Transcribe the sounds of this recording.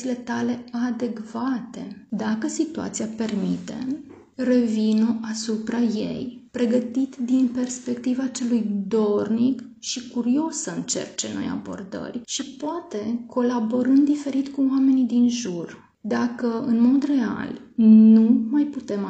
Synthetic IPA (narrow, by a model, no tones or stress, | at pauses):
ile̞t̪ale̞ad̪e̞kv̥at̪e̞d̪akəsit̪ua̰t̪siape̞rmit̪e̞̰m | re̞vinoʔasupɾaje̞̰jpɾe̞ɡət̪it̪d̪inpe̞rspe̞kt̪ivat͡ʃe̞lujd̪o̞rnik | ʃikuɾio̞səɨnt͡ʃe̞̰rt͡ʃeno̞̰ja̰bo̞̰rd̪ə̰rʲʃipoat̪e̞kʰo̞labo̞ɾɨnd̪d̪ife̞ɾit̪kuame̞nid̪inʒur | d̪akəɨnmo̞d̪re̞a̰lnumajput̪e̞m